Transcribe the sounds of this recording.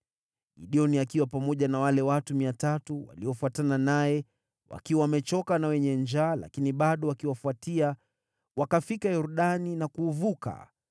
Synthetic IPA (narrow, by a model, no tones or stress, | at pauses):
ɡiɗiɔniakiwapamɔʄanawalɛwatumiatatuwa̰liɔfuatananajɛ | wa̰kiwawamɛt͡ʃɔkanawɛɲɛnd͡ʒaːla̰kiniɓaɗɔwakiwafuatia | wakafikajɔɾuɗaninakuːvuka̰